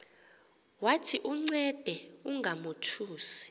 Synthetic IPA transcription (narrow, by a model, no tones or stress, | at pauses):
watʰiʔuŋ͡ǀɛd̥ʱɛ | uŋɡʱamutʰuːsi̥